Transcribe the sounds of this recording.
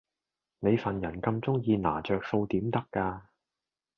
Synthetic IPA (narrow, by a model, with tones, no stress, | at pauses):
ne˨˧jfɐ˨njɐ˨˩nkɐ˧mt͡sʊ˥ŋjiː˧na̰ː˨˩t͡ʃœː˨k̚so˧wt̪iː˨˥mt̪ɐ˥kːaː˧